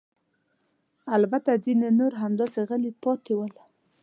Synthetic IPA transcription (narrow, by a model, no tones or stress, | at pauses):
albat̪azinenoɾɦamd̪ɑseɣəlipɑt̪ewəl